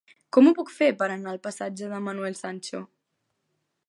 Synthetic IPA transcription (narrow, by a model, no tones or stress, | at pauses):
kɔmupɔkfepəɾanaːlˠpəsad͡ʒəðəmənuɛlsanʲt͡ʃo̰